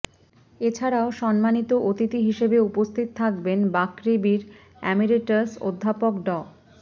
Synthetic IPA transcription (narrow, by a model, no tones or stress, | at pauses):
et͡ɕʰaɾaoʃɔnmanit̪oʔot̪it̪iɦiʃebeupost̪ʰit̪ot̪ʰak̚benbakɾibiɾ | ɛ̰miɾeʈaso̰d̪ʱːapokɖɔ